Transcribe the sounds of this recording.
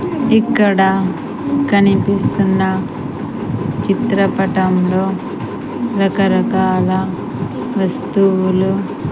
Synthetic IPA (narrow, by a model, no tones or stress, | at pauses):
ikːɐɽɐ | kɐnipist̪unːɐ | t͡ʃit̪ɾɐpɐʈɐmloː | ɾɐkɐɾɐkaːlɐ | ʋɐst̪uwulu